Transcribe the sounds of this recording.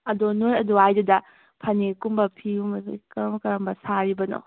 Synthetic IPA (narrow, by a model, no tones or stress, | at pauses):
ɐdonoɾɐduajdudɐ | pʰɐnekumbɐpʰiumikɐmkɐɾɐmbɐsaɾibɐno̰